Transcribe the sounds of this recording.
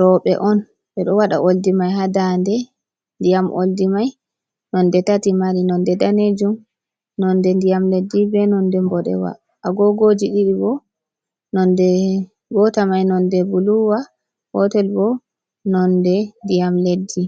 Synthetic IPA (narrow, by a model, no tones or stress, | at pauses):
ɾɔɓɛ̰ʔɔn | ɓɛɗɔwaɗa̰ʔoldimajɦadandɛ | ndijamʔo̰ldimaj | nɔndɛtatimaɾinɔndɛdaned͡ʒum | nɔndɛndijamledːibɛnɔndɛmbɔɗɛ̰wa̰ | ʔaɡɔɡod͡ʒiɗiɗibɔ | nɔndɛ | ɡɔtamajnɔndɛbuluwa | hɔ̰tɛlbɔ | nɔndɛndijamledːi